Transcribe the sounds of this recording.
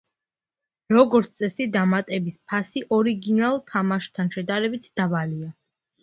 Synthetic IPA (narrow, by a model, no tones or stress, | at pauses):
ɾɔɡɔɾt̪sʰt̪ʼɛsid̪amat̪ʼɛbispʰasiʔɔɾiɡinalˠt̪ʰamaʃt̪ʰanʃɛd̪aɾɛbit̪ʰd̪̥abalia